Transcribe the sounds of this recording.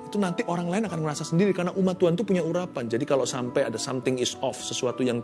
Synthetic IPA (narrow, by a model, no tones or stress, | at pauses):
it̪unant̪iʔoɾaŋlaɪnakanməɾasasəndiɾikarnaʔumat̪uant̪upuɲauɾapand͡ʒadikalosampajadasamt̪ɪŋɪsɔfsəsuat̪ujaŋ